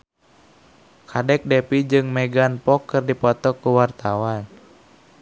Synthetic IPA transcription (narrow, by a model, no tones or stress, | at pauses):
kʰadɛk̚dɛpid͡ʒɨŋmɛɡanpɔkːɨrdipɔt̪ɔkːuwart̪awan